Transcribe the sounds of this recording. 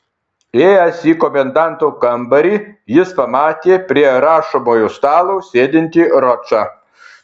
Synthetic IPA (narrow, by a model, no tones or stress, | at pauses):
eːjɛsiːkɔmʲɛnd̪ɑˑnt̪ukɐmbɐɾʲiːjɪspɐmɑːt̪ʲeːpʲɾʲiɛɾɑːʃoːmoːjust̪ɑːlˠoːsʲeːd̪ʲɪnʲt̪ʲiːɾɔt͡ʃɑː